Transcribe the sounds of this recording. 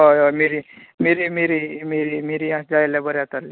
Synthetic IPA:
miɾimiɾimiɾimiɾimiɾiãsd͡zaeljabəɾjat̪əɾli

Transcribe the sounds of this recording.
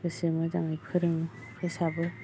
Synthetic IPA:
ɯsemɯzaŋajpʰɯɾɯŋ | kʰɯsabɯ

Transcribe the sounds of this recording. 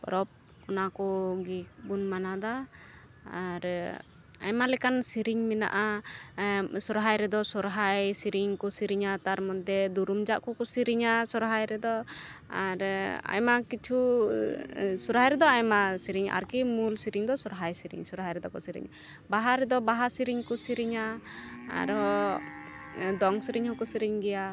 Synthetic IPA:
ɔɾɔp̚ | ɔnakɔɡik̚bunmanad̪a | aɾ | a̰jmalɛkansiɾiɲmina̰ʔa | sɔɾɦajɾɛd̪ɔsɔɾɦajsiɾiɲkɔsiɾiɲat̪aɾmɔt̪̚d̪ɛd̪uɾumd͡ʒaʔkɔkɔsiɾiɲasɔɾɦajɾɛd̪ɔ | aɾa̰jmakit͡ʃʰu | sɔɾɦajɾɛd̪ɔajmasiɾiɲa̰ɾkimulsiɾiŋd̪ɔsɔɾɦajsiɾḭɲsɔɾɦajɾɛd̪ɔkɔsiɾḭɲ | baɦaɾɛd̪ɔbaɦasiɾiɲkɔsiɾiɲa̰ː | ɾɔ | d̪ɔŋsiɾiɲhɔkusiɾiɲɡɛja

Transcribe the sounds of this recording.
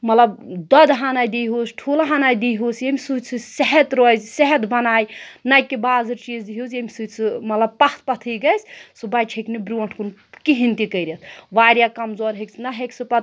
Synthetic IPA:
mɐt̪lɐbd̪ɐd̪ɦaːnajd̪iɦuːsʈʰulaɦaːnajd̪iɦusjemʲisut͡sʰɨseɦɛt̪ɾoːjzseɦɛt̪bɐnaːjnɐjkːibaːzɨɾt͡ʃiːzd̪iɦusjemʲisut͡sʰɨmɐt̪lɐb̚pɐxʰt̪̚ʰpɐt̪ʰɨɡɐjsʰʲsobat͡ʃʰeknibɾuɐɳʈʰkunkiɦint̪ikɐjɾʲet̪ʰʋaːɾʲjakɐmzoːɾɦekt͡sʰnɐɦeksɨpɐt̪

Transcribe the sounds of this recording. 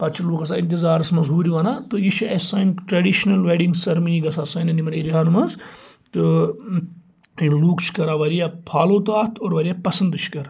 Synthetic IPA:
pɐt͡ʃʰiluːkɐs̬aint̪̬izaːɾɐsmɐzɦuːɾiʋɐnat̪ɨjiʃiʔesɐːnʲʈɾɐɖiʃnɐlʋeːɖiŋɡsɐɾmiɡɐsaːsɐːnɐnimɐɾeːɾʲiaːnmɐz | t̪ɨ | inluːkt͡ʃʰi̥kɐɾaːʋɐɾijapʰaːloːt̪aːt̪ʰoːɾʋɐɾʲijapɐsɐnd̪ɨt͡ʃʰkɐɾ

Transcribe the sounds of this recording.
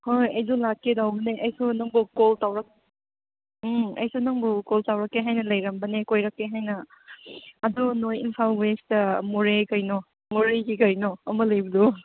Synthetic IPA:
hojɐjzulakːedawbɐneʔɐjsonɐŋbukoltawɾɐk̚ | ɐ̰jsunɐŋbukoltawɾɐkːeɦajnɐlɐjɾɐmbɐnekojɾɐkːeɦajnɐ | ɐdunojinpʰalwestɐmoɾekɐjnɔ | moɾeɡikɐjnɔɐmɐlɐjbɐdu

